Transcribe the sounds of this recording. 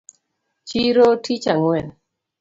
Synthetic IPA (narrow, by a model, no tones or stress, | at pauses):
t͡ʃiɾotʰit͡ʃaŋwɛn